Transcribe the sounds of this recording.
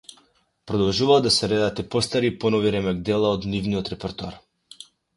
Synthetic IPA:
pɾɔd̪ɔlˠʒuvalɔd̪asɛɾɛd̪at̪ɛpɔst̪aɾipɔnɔviɾɛmɛɡ̚d̪ɛlˠaɔd̪nivniɔt̪ɾɛpɛɾt̪oa̰ɾ

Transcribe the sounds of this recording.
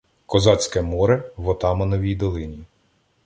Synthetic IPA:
kɔzɑt͡sʲkɛmɔɾɛʋɔt̪ɑmɐnɔʋʲijd̪ɔlˠɪnʲi

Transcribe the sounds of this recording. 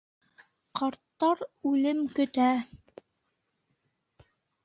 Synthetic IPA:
qɑɾt̪ːɑɾʉlɘmkɵ̆t̪æ

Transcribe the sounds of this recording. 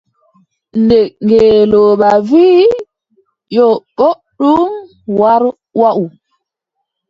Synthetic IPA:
ndɛŋɡɛːloːɓaviː | jɔɓo | ɗum | waɾ | waʔu

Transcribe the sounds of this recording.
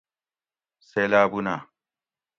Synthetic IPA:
selaːbuna

